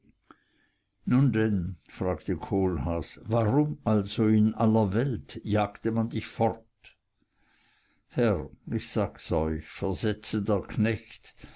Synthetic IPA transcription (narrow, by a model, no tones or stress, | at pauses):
nundɛnfʁ̥aːktəkʰoːlhaːsvaʁʊmʔalzoɪnʔalɐvɛltjaːktəmandɪçfɔʁt | hɛʁɪçz̥aːɡsɔʏçfɛɐzɛt͡sədeːɐkʰnɛçt